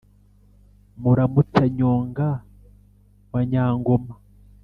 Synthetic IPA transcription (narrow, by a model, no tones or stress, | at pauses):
muɾamutaɲoːŋɡa | βaɲaːŋɡoma